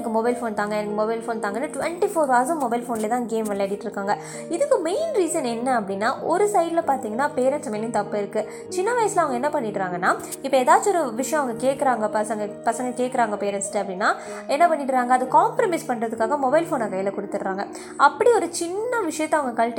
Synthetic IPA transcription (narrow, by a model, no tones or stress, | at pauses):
ɐkːɯmɔbɐɪlfoːnt̪aːŋɡɐɛnɐkːɯmɔbɐɪlfoːnt̪aːŋɡɐnːɯʈʋɛɳʈifoːɾʋaːsɯ̃mːɔbɐɪlfoːnlet̪ãːɡeːmʋɐlːɐɽɪʈːɪɾɯkːaːŋɡɐ | ɪðɯkːɯmeɪnɾiːsɐnɛnːɐɐpːɐɽɪnːaːʔɔɾɯsɐɪɖɪlɐpaːɾt̪iːŋɡɐnːaːpeːɾɛnʈsɐmɛnːj̃t̪ɐpːɯɪɾɯkːɯ | t͡ʃɪnːɐʋɐjɐsɪlɐʋɐɡɐɛnːɐpɐɳːɪʈːɾaːŋɡɐnːaː | ɪpːɐɛðaːt͡ʃːɔɾɯʋɪʂɐjɐ̃ɐʋɐŋɡɐkeːʈkɐɾaːŋɡɐpɐsɐŋɡɐpɐsɐŋɡɐkeːʈkɐɾaːŋɡɐpeːɾɛnʈsɪ̥ʈːɯɐpːɐɽɪnːaː | ɛnːɐpɐɳːɪʈːɾaːŋɡɐːðɯkaːmpɾɐmɐɪspɐɳːɾɐðɯkːaːɣɐmɔbɐɪlfoːnɐkɐjɐlɐkɔɽɯt̪ːɯɾɯɾaːŋɡɐ | ɐpːɐɽiɔɾɯt͡ʃɪnːɐʋɪʂɐjɐt̪ːɐ̃ɐʋɐŋɡɐkɐlʈ